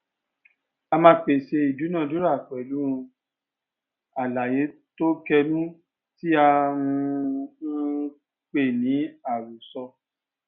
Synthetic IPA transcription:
a˧mãː˧k͡pe˨ʃe˧i˨du˨˦nã˦˨du˦ɾa˦˨k͡pɛ˨lu˨˦ɾ̃ũ˧ | a˨la˨je˨˦ | to˦kɛ˧nũ˦ | ti˦a˧ũ˧˦ | k͡pe˦˨nĩ˨˦a˦˨ɾu˨sɔ˧

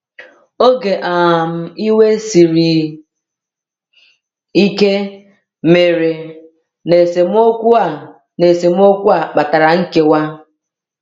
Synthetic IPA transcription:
o˦ɡe˨ʔa˨m̩˨i˦we˦si˨ɾi˨ | i˦ke˦ | me˨ɾe˨ | ne˨se˨m˦o˦kʷu˦a˨ | ne˨se˨m̩˦o˦kʷu˦a˨k͡pa˨ta˨ɾa˨ŋ̩˦ke˨wa˦

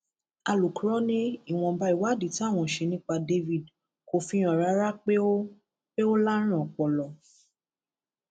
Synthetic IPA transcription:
a˧˨lu˨ku˨˦ɾɔ˦nĩ˦i˦˨w̃ɔ̃˧˦ba˧˦i˨wa˨˦˨di˨ti˦a˦˨w̃ɔ̃˧˨ʃe˧nĩ˦k͡pa˧de˧vi˦˨d | ko˧fĩ˧j̃ɔ̃˨ɾa˨˦ɾa˦k͡pe˦o˦ | k͡pe˦o˦la˦ɾ̃ũ˦ɔ˨k͡pɔ˨lɔ˨

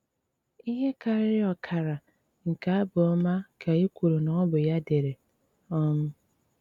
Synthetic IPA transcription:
i˦ɦe˦ka˨ɾɪ˦ɾɪ˦ɔ˨kʰa˨ɾa˨ | ŋ̩˨ka˨a˦bʊ˨ɔ˦ma˦ka˨i˦kʷu˨ɾo˨nɔ˨ɔ˦bʊ˨ja˦de˨ɾe˨ | ɔ˦m̩˦

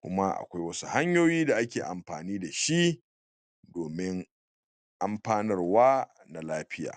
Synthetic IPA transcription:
kʷʊ̰˦ma˦ʔa̰˨kʷa˦jwɐ˦su̥˦ha˦ɲjoː˦jiː˦da˨ʔa˦kʲeː˨ʔa˨mɸa̰ː˨niː˦da˨ʃi˦ | doː˨mɪ˦ŋ | ʔa˦mɸaː˦nɪ˦rwaː˦ | na˨laː˦ɸɪ˦ja̰ː˨

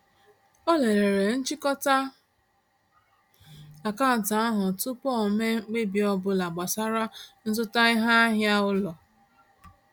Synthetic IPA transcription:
o˦le˨ɾe˨ɾe˨n̩˦t͡ʃi˦kɔ˦ta˦ | la˨ka˦˨n̩˨ta˨a˦ɦʊ˨tʊ˦pɔ˦˨me˦ɡ͡be˦bi˨ɔ˦bʊ˦la˨ɡ͡ba˨sa˦ɾa˦n̩˦zʊ˦ta˦ɪ˦ɦa˦ɦja˦ʊ˦lɔ˨

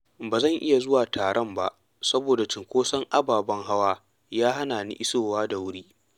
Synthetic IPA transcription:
baː˨zɐ˦˨ŋʔɪ˦ja˨zʊ˦waː˨tʰaː˨ɽɔ˦mba̰˦ʔ | sɐ˦boː˨da˨t͡ʃɪ˨ŋkʷoː˦sɐ˦ŋʔa˦baː˨bɐ˦ŋɦa˦waː˦ | jaː˦ɦa˦naː˨nḭ˦ʔɪ˦soː˦waː˦da˨wʊ˦ɽiː˦

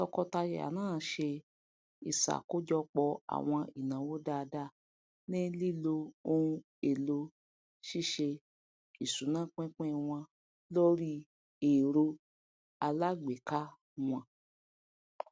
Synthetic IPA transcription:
ɔ˧kɔ˧ta˧jɛ̰˨a̰˨nãː˦˨ʃe˧ | i˨sa̰˨ko˦d͡ʒɔ˧k͡pɔ˧a̰˨w̃ɔ̃˧i˨nã˨wo˦da˦˧da˦˨ | nẽ˦li˦˨lo˧o˧hũ˧ | e˨lo˧ | ʃi˦˨ʃe˧ | i˨sũ˨˦nã˦˨k͡pɛ̃˦k͡pɛ̃˦˨w̃ɔ̃˧ | lo˦ɾi˦ | e˨ɾo˧ | a˧la˦ɡ͡be˨ka˦ | w̃ɔ̃˧

